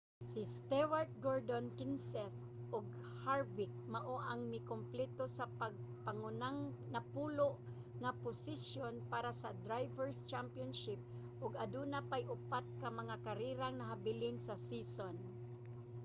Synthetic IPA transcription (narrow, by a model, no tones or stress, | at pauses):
sɪst̪ɛwaɹt̪̚ɡoɹd̪onkɪnsɛθ | ʊɡ̚ | haɹvɪk̚maʔoʔaŋmɪkomplɛt̪osapaɡ̚paŋʊnaŋnapuːloʔ | ŋapʊsɪsjonpaːɾasad̪ɾajvɛɹst͡ʃampjonʃɪp̚ | ʔʊɡad̪unapajʔʊpat̪̚kamɐŋakaɾiɾaŋnɐɦabɪlɪnsasison